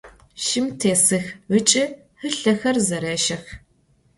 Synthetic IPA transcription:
ʃɪmtʰeːsɨxɨt͡ʃʼɪ | hɨɬɐxɐrzɐɾɐːʃɐx

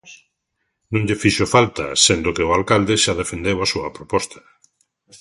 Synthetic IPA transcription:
nõŋʎefiʃofalt̪ɐ̰send̪okɪoalkald̪ɪʃaðefend̪ewasuɐpɾopɔst̪ɐ̥

